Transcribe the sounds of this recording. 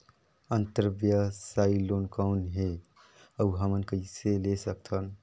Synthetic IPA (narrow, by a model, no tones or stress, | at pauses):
ənt̪əɾbjasailonkanɦe | əuɦəmənkəiselesək̚t̪ʰən